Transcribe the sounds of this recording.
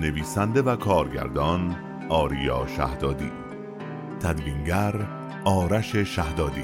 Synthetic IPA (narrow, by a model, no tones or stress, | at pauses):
ne̞viːsænd̪e̞vækʰɒːɾɟæ̰ɾd̪ɒːn | ɒːɾijɒːʃæ̰hd̪ɒːd̪ḭː | t̪ʰæd̪viŋɟæɾ | ɒːɾæʃeʃæhd̪ɒːd̪i